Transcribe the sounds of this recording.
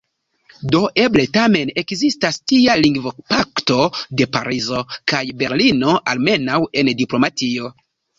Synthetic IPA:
do̞ʔe̞ble̞tame̞ne̞kzistastialiŋɡvopakto̞de̞pa̰ɾizo̞kajbe̞ɾlino̞ʔalme̞nawe̞ndiplo̞matio̞

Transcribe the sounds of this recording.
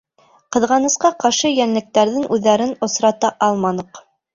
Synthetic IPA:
qɤ̆ðʁɑnɤ̆sqɑqɑɾʃɤjænlɘ̆k̚t̪æɾðɘŋʉðːæɾɘnŏsɾɑt̪ɑʔɑlˠmɑnɤq

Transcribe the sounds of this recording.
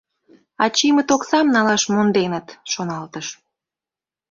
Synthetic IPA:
ɑt͡ɕimət̪oksɑmnɑlɑʃmond̪enət̪ʃonɑlt̪əʃ

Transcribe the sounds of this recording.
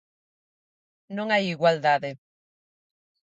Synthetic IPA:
nõŋajiɣwald̪aðe

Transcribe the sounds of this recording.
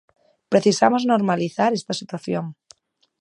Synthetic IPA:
pɾe̞θisamozno̞ɾmaliθaɾe̞st̪asit̪waθjoŋ

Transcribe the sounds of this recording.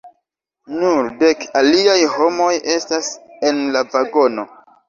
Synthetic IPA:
nuɾde̞kaliajho̞mo̞jʔe̞stase̞nlavaɡo̞no̞

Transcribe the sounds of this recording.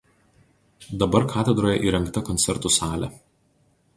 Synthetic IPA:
d̪ɐbɐɾkʰɑːt̪ʲɛd̪ɾoːjɛʔiːɾʲɛŋkt̪ɐkɔnt̪sʲɛɾt̪ʊsɑːlʲɛ̰

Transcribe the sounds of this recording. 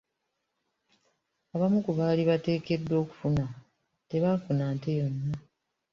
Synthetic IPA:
aβamukuβaːliβate̞ːke̞dːwo̞ːku̥funa | te̞βafunaːnte̞jo̞nːa

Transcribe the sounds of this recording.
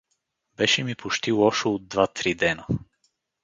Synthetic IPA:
bɛʃɛmipoʃt̪iwˠɔʃood̪̚d̪vat̪ɾid̪ɛnə

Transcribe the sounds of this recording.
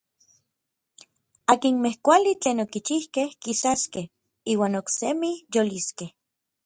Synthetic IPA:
aːkinmehkʷalit͡ɬeːnokit͡ʃihkehkisaskeh | iːwaːnoksemijoliskeh

